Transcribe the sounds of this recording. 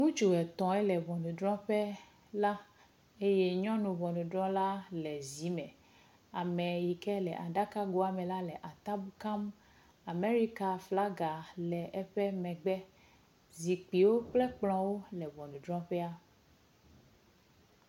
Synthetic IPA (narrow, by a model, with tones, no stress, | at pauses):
nũ˦d͡ʒu˨ɛ˨t̪ɔ̃˨ɛ˦lɛ˨vɔ˨nũ˨ɖɾɔ̃˦ɸɛ˦ | la˦ | e˦je˦ɲɔ̃˦nũ˨vɔ˨nũ˨ɖɾɔ̃˦la˦lɛ˨zi˨˦mɛ̃˨ | a˨mɛ̃˨ji˨kɛ˦lɛ˨ʔa˨ɖa˦ka˦ɡo˦a˨mɛ̃˨la˦lɛ˨ʔa˨t̪a˦bu˦ka˦m | a˨me˦ɾi˦ka˨fla˦ɡa˨lɛ˨ʔɛ˦ɸɛ˦mɛ̃˨ɡ͡bɛ˦ | zi˨k͡pi˨wo˦k͡plɛ˦k͡plɔ̃˦wo˦lɛ˨vɔ˨nũ˨ɖɾɔ̃˦ɸɛ˦a˦